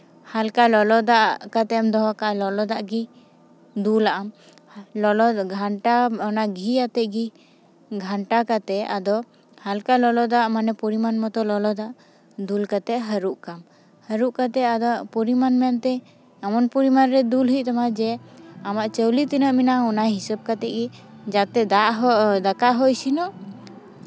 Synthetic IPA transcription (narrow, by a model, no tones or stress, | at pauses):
halkalɔlɔd̪aʔkat̪ɛmd̪ɔɦɔkaʔlɔlɔd̪aʔɡi | d̪ulaʔam | lɔlɔɡʱaɳʈaɔnaʔɡʱijat̪ɛʔɡi | ɡʱaɳʈakat̪ɛad̪ɔ | halkalɔlɔd̪aʔmanɛpɔɾimanmɔt̪ɔlɔlɔd̪aʔ | d̪ulkat̪ɛʔɦəɾuʔkam | həɾuʔkat̪ɛad̪ɔʔpɔɾimanmant̪ɛ | amɔnpɔɾimanɾɛd̪ulɦiʔ̚t̪ɔmad͡ʒɛamaʔt͡ʃəwlit̪inəʔminaɔnaɦisəb̚kat̪ɛʔɡi | d͡ʒat̪ɛd̪aʔɦɔd̪akaʔɦɔisinɔʔ